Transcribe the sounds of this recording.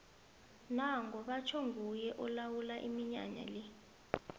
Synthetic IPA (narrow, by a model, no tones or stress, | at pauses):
naŋɡɔɓat͡ʃʰɔŋɡujɛʔɔlawulaʔimiɲa̰ɲa̰le